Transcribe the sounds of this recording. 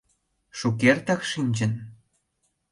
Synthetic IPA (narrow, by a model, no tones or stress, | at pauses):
ʃuk̬ert̪ɑkʃinʲd͡ʑə̆n